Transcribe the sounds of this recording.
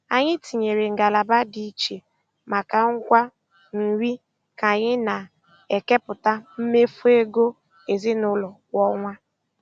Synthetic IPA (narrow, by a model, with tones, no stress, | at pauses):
a˨ɲɪ˦ti˨ɲe˨ɾe˨ŋ̩˨ɡa˨la˨ba˦di˨˦˨t͡ʃe˨ | ma˨ka˨ŋ̩˦kʷa˦ | n̩˨wi˦ | ka˨ɲɪ˦na˨ | e˨ke˦pʊ˨ta˦m̩˦me˦fu˦e˦ɡo˦ | e˨zi˦nʊ˦lɔ˨wɔ˦ŋʷa˦